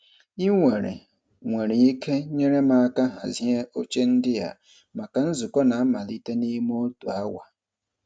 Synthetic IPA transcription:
i˦ŋʷe˨ɾḛ˨ | ŋʷe˨ɾe˨i˦kʰe˦ɲe˦ɾe˦ma˨a˨ka˦ɦa̰˨ze˦ʔo˦t͡ʃe˦n̩˦dɪ˦ja̰˨ | ma˨ka˨n̩˦zʊ˨kɔ˦na˨a˦ma˨li˦te˦ni˦m˦o˦tu˨a˦wʷa̰˨

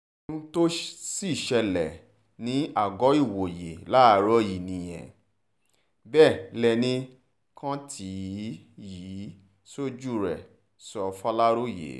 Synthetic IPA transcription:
nũ˦to˦si˦˨ʃɛ˧lɛ˨ | nĩ˨˦a˨ɡɔ˨˦i˦˨wo˨je˨la˦˧˨ɾɔ˦ji˨nĩ˨j̃ɛ̰̃˨ | bɛː˦˨lɛ˧nĩ˦ | kã˦tʰi˨˦ | ji˨˦ | so˦d͡ʒu˦˨ɾɛ̰˨ | sɔ˧fa˦la˦ɾo˦jḛ˨˦

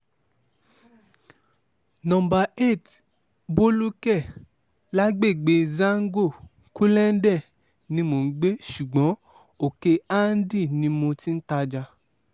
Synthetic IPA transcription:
nɔ̃˨mba˨e˦˨t | bo˦lu˦kɛ˦˨ | la˦ɡ͡be˦˨ɡ͡be˧zã˦ŋ̩˦ɡo˦˨ | ku˦lɛ˦n̩˦dɛ˦˨ | nĩ˧mo˨˦ɡ͡be˦ʃu˨ɡ͡bɔ̃˨˦ | o˦˨ke˧a˦n̩˦di˦˨nĩ˧mõ˧tĩ˦n̩˦ta˧d͡ʒa˧

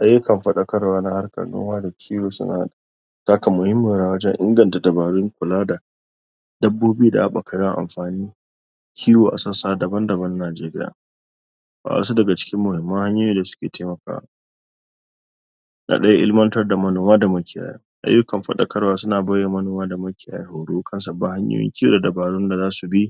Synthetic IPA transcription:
ʔa˦jːʊ˦kɐ˨mɸɐ˦ɗɐ˦kɐ˦rwaː˦na˦ha˦rkɐ̰˨no̰˦waː˦da˨kʲʰiː˦woː˨sʊ̰˦na̰˨ha˦ɗa˨ | ta˦ka˨mʊ˨hɪ˦mːʊ˨ɾaː˨wɐ˦d͡ʒɛ˦ŋʔɪ̰˦ŋɡɐ˨nta˨dɐ˨baː˨ɽɪ˦ŋkʷʊ˨laː˦da˨ | dɐ˦bːoː˦biː˦da̰˨ʔa˦ɓa˨kʰa˨ja˦˨ʔa̰˨mɸaː˨niː˦ | kʲʰiː˦joː˨ʔa̰˨sɐ˦saː˦dɐ˨bɐ˦ndɐ˨bɐ˦nːaː˨d͡ʒeː˦ɾɪ˦ja̰ː˨ | ba̰˨a̰˨˦su˦dɐ˨ɡa˨t͡ʃɪ̥˦kʲɪ˦mːʊ˨hɪ˨mːɐ˦ŋha˦ɲjoː˦jiː˦da˨sʊ̥˦kʲeː˨taː˦mɐ˨ka̰ː˦wa̰˨ | nʔa̰˨ɗɐ˦ja˦ʔɪ˦lmɐ˦ntɐ˦rda˨mɐ˦noː˨maː˦da˨mɐ˦kʲɪ˨ja̰ː˨ja̰˦ʔa̰˦jːʊ˦kɐ˨mɸɐ̰˦ɗɐ̰˦kʰɐ˦rwaː˦sʊ˦naː˨bɐ˦jːa˨mɐ˦noː˨maː˦da˨mɐ˦kʲɪ˨ja̰ː˨ja̰ː˦hoː˨ɽu˦kʰɐ˦nsa˨ba˦ha˦ɲjo̰˦jɪ̰˦ŋkʲi˦jo̰ː˦˨da˨dɐ˨baː˨ɽʊ˦nda˨zaː˦su˨bi˦

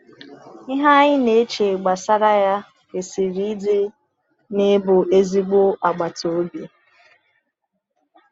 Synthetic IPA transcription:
ɪ˦ɦa˦ɲɪ˦ne˨˦t͡ʃe˨ɡ͡ba˨sa˦ɾa˦ja˦ | ke˨si˨ɾi˦i˦de˦ | ne˦bʊ˨e˦zi˦ɡ͡bo˦a˨ɡ͡ba˨to˨o˦bi˨

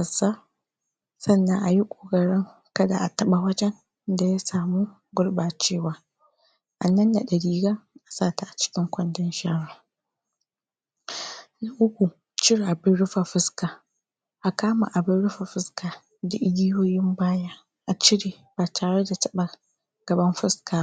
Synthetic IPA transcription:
ɐ˨sa˦ | sɐ˦˨nːa˦ŋʔa˨ji˦kʷʼoː˨kʼɐ˨ɽɪ˦ŋ | kɐ˦da˨ʔa˨tɐ˦ɓa˨wɐ˦d͡ʒɛ˦n | da˨ja˦saː˨muː˦ | ɡʷʊ˦ɽbaː˨t͡ʃeː˦waː˦ | ʔa˨nɐ˦nːa˨ɗɐ˨ɽiː˦ɡa˦ʔa˨saː˦˨ta˨ʔa˨t͡ʃɪ̥˦kʲɪ˦ŋkʷɐ˦ndɐ˦nʃaː˦ɽaː˨ | na˨ʔʊ˦kʷu˨ | t͡ʃɪ˦ɽa˨bɪ˦ɽʊ˦ɸa˨ɸɪ˦skaː˨ | ʔa˨kaː˦ma̰˨ʔa˨bɪ˦ɽʊ˦ɸa˨ɸɪ˦skaː˨ | da˨ʔɪ˦dʲi˦joː˦jɪ˦mbaː˦jaː˦ | ʔa˨t͡ʃɪ˦ɽeː˨ | b̥aː˨tʰaː˨ɽe˦da˨tɐ˦ɓa˨ | ɡ̥ɐ˨bɐ˦mɸɪ˦skʰaː˨˦

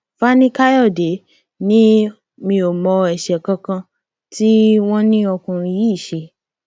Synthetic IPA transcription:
fa˦nĩ˦ka˦jɔ˦˨de˨˦ | nĩ˦ | mĩ˧o˨mɔ̃˧ɛ˨ʃɛ˨kã˧kã˧ | ti˦w̃ɔ̃˦nĩ˦ɔ˧kũ˧ɾũ˧ji˦i˦˨ʃe˧

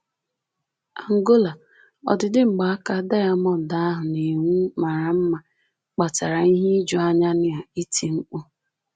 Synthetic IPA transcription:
a˨ŋ̩˨ɡo˦la˨ | ɔ̰˨dɪ˨dɪ˦ŋ͡m̩˨ɡ͡ba˨a˦ka˦da˦ja˦mɔ˦˨da˨˦a˦ɦʊ˨ne˨ŋu˦ma˨ɾa˨m̩˦ma˨ | k͡pa˨ta˨ɾa˨i˦ɦi˦i˦d͡ʒɔ˨a˦ɲa˦nɪ˦a˨i˦tʰi˨ŋ̩˦k͡pʊ˦

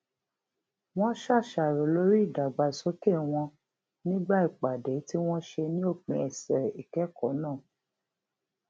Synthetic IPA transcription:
w̃ɔ̃˦ʃa˦˨ʃa˨ɾo˨lo˦ɾi˦˨da˨ɡ͡ba˨so˨˦ke˦˨w̃ɔ̃˧ | nĩ˦ɡ͡ba˦i˦˨k͡pa˨dɛ˨˦ti˦w̃ɔ̃˦ʃe˧nĩ˦o˦˨k͡pĩ˨˧˦ɛ˨sɛ˨ɾi˨kɛ˨˦kɔ˨˦nãː˦˨

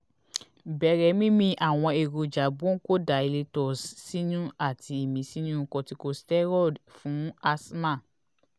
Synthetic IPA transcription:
bɛ˧˦ɾɛ˧˦mĩ˦mĩ˧˦ʔa˨w̃ɔ̃˧e˨ɾo˨d͡ʒa˨bu˦o˦ko˦da˨e˧le˧tɔ˨sːi˦nũ˦a˦˨ti˧i˨mĩ˨˦si˦nũ˦˧kɔ̃˧ti˧ko˧stɛ˦ɾɔ˦˨dfũ˨˦a˧smã˦˨

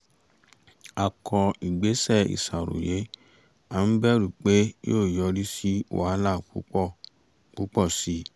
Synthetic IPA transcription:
a˨kʰɔ˧i˨ɡ͡be˨˦sɛ˦˨ḭ˨sa˨ɾo̰˨je˨˦ | a˦˨n̩˦bɛ˦ɾu˨k͡pe˦joː˦˨jɔ˧ɾi˦si˦o̰˦a˨˦la˦˨u˦ɔ˦˨ | k͡pu˨˦k͡pɔ˦˨si˨˦

